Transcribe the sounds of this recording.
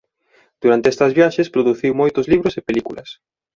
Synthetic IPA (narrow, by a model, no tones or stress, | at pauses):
d̪̥uɾant̪eɛst̪ɐzβjaʃespɾoðuθiwmojt̪ʊzliβɾʊsepelikulɐ̰s